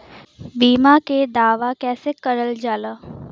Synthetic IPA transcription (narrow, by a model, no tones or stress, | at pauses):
biːmaked̪aːʋakɛːsekɐɾəld͡ʒaːlaː